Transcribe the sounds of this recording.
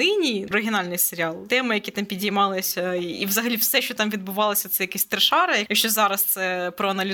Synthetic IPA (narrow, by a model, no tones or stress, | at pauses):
inʲijiɾɪɦʲɪnɑlʲnɪjseɾʲɪɑlˠt̪ɛmɪjɐkʲit̪ɑmpʲidʲijmɑlˠɪsʲɐiʋzɐɦɐlʲiwsɛʃt͡ʃɔt̪ɑmʋʲid̪̚bʊʋɑlˠɐsʲɐt̪sɛjɐkɛsʲt̪ɾɪʃɑɾɐjɐjɐkʃʲt͡ʃɔzɑɾɐst̪sɛpɾɔɐnɐlʲɪ